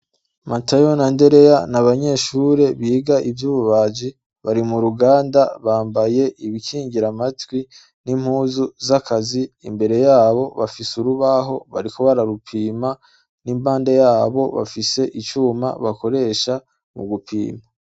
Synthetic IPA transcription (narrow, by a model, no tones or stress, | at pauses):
matajonande̞ɾe̞janaβaɲe̞ʃuːɾe̞βiːɡaʔivjuːβuβad͡ʒi | βaɾimuɾuɡaːndaβaːmbaje̞ʔiβikiːŋɟiɾamatwi | nim̥huːzuzakʰaziːmbe̞ɾe̞jaːβo̞βafisuɾuβaɦo̞βa̰ɾikoβaɾaɾupʰiːma | nimbaːndejaːβo̞̰βa̰fise̞ʔit͡ʃuːma̰βako̞ɾe̞ːʃa | mṵɡupʰḭːma